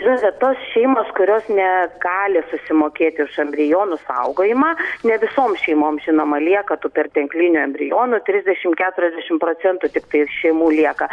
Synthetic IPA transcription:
ʒɪnɐt̪ʋʲɛtt̪oːsʃʲɛɪmoːskʊɾʲoːsnʲɛɡɑːlʲɪsʊsʲɪmoːkʲeːt̪ʲɪʊʃɐmʲbʲɾʲɪjoːnʊsɐ̰ʊɡoːjɪmɑːnʲɛʋʲɪsoːmʃʲɛɪmoːmʒʲɪnoːmɐlʲiɛkɐt̪upʲɛrt̪ʲɛŋklʲinʲʊɐmʲbʲɾʲɪjoːnʊt̪ʲɾʲɪzʲd̪ʲɛʃʲɪmkʲæːt̪ʊɾʲɛzʲd̪ʲɛʃʲɪmpɾoːt͡s̪ʲɛnt̪ʊt̪ʲɪkt̪ɐɪʃʲɛɪmuːlʲiɛkɐ

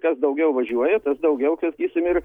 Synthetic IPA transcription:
kɐsd̪ɐʊɡʲɛʊʋɐʒʲuɔjɛt̪ɐsd̪ɐʊɡʲɛʊksɐkʲiːsʲɪmɪr

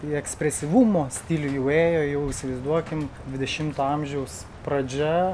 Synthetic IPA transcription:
ɛksʲpʲɾʲɛsʲɪʋumoːsʲt̪ʲilʲʊjɛʊeːjoːjɛʊɪʃʲsʲɪʋɐɪzd̪uɔkʲɪmdʲʋʲɪd̪ʲɛʃʲɪmt̪oɐmʲʒʲɛʊs | pɾɐd͡ʒʲɛ

